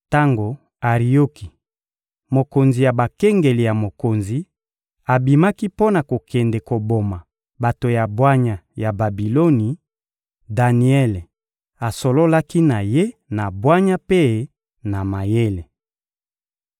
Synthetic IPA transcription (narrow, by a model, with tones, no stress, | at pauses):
ta˦ŋɡo˨ | a˨ʁi˨jo˦ki˨ | mo˨ko˨nzi˨ja˨ba˨ke˦ŋɡe˨li˨ja˨mo˨ko˨nzi˨ | a˨bi˨ma˦ki˦po˦na˨ko˨kʰɛ˨nde˨ko˨bo˨ma˨ | ba˨to˨ja˨bwa˦ɲa˨ja˨ba˨bi˨lo˦ni˨ | da˨ni˨ɛ˦le˨ | a˨so˨lo˦la˦ki˦na˨je˦na˨bwa˦ɲa˦pe˦ | na˨ma˨je˦le˨